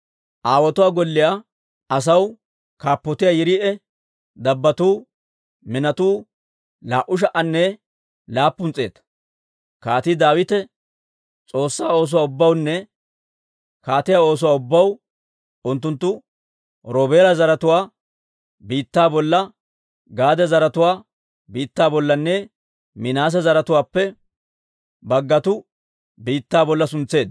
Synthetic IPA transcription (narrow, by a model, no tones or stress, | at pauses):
ʔaːwɔt̪ʊwaːɡɔlːɪja | ɐs̬ɐw | kaːpːɔt̪ɪjaːjɪɾɪʔɛ | d̪ɐbːɐt̪uː | mɪnɐt̪uː | laːʔʊʃ̬ɐʔɐnːɛ | laːpːʊnt͡sʼe̞ːt̪ɐ̥ | kaːt̪ɪd̪aːwɪt̪ɛ | t͡sʼo̞ːsːaːo̞ːs̬ʊwaːʊbːɐwnːɛ | kaːt̪ɪjaːo̞ːs̬ʊwaːʊbːɐw | ʊnt̪̬ːʊnt̪ːʊ | ɾoːbeːɾɐzɐɾɐt̪ʊwaː | biːt̪ːaːbɔlːɐ | ɡaːd̪ɛzɐɾɐt̪ʊwaː | biːt̪ːaːbɔlːɐnːɛ | mɪnaːs̬ɐzɐɾɐt̪ʊwaːpːɛ | bɐɡːɐt̪ʊ | biːt̪ːaːbɔlːɐsʊnt͡sːe̞ːd̪